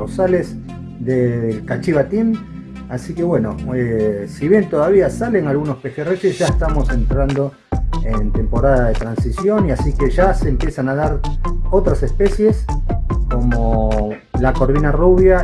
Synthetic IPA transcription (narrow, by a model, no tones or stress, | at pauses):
rosalez | d̪elkat͡ʃiβat̪in | asike̞βwe̞no̞̰esiβje̞nt̪oðaβ̞iasale̞nalɣuno̞spe̞xeresesʒ̥aest̪amo̞se̞nt̪ɾand̪o̞ | ent̪e̞mpo̞ɾaðaðet̪ɾansisjo̞niasikeʒaseːmpje̞sanaðaɾo̞t̪ɾase̞spe̞sje̞sko̞mo̞ | lako̞ɾβinaruβja